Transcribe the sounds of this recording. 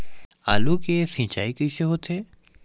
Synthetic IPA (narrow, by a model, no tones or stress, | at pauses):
a̰ːlukesĩːt͡ʃaːikəiseɦoːt̪ʰeː